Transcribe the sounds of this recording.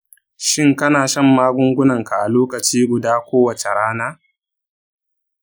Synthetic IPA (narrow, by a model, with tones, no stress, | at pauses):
ʃɪ˦ŋkɐ˦naː˨ʃɐ˦˨mːaː˦ɡʷʊ˦ŋɡʷʊ˦nɐ˨ŋka˨ʔa˨loː˦kɐ˨t͡ʃiː˦ɡʷʊ˨daː˦kʷoː˦wɐ˨t͡ʃe˨ɽaː˦naː˦